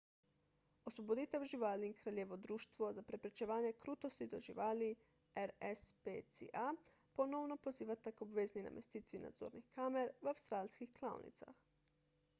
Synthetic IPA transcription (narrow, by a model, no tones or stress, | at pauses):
oslˠobod̪it̪euʒiʋaːliŋkɾaʎeʋo̞d̪ɾuːʃt̪ʋozapɾe̞pɾet͡ʃeʋaːɲekɾuːt̪ost̪id̪o̞ʒḭʋaːli | eɾespet̪sḭʔa | po̞no̞ʋno̞po̞ziːʋat̪akobʋeznina̰me̞st̪iːt̪ʋina̰d̪zo̰ɾnixkameɾʋawst̪ɾaːlʲskixklˠao̰nḭt̪sa̰x